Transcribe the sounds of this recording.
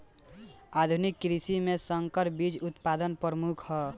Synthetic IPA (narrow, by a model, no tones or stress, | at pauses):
ad̪ʱunikːɾisimesəŋkəɾbid͡ʒʊt̪pad̪ənpɾɾəmukʰhɔ